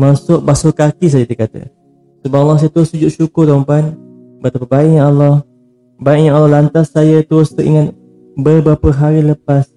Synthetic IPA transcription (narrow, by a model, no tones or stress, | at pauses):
masʊʔbasʊkakis̬ajat̪ikat̪ə̰ | səbaʔɔlːɔhs̬ajat̪əɾʊssud͡ʒʊʔʃukʊrd̪mpan | bət̪apəbaɪʔɲaʔɔlːɔh | baɪʔ̚ɲaalːɑhlant̪asːajət̪əɾʊst̪əʔḭŋan | bəbɾapəɦaɾiləpas